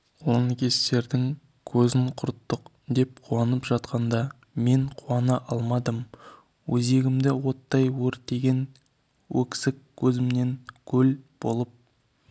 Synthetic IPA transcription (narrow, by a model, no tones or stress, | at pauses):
onəkʲʰe̞st̪e̞ɾd̪ɪŋ | kʲʰɵzɪŋqʰʊɾt̪ːəq | d̪e̞p̚qʰuɑnəpʒɑt̪̚qɑnd̪ɑ | me̞ɴqʰuɑnɑʔɑlˠmɑd̪əm | wɵze̞ɡʲɪmd̪ɪwo̞t̪ːɑjwɵɾt̪̚d̪e̞ɡʲe̞n | wɵ̰kʲsɪkʲʰːɵzɪmne̞ŋkʲʰɵlb̥o̞lˠəp̚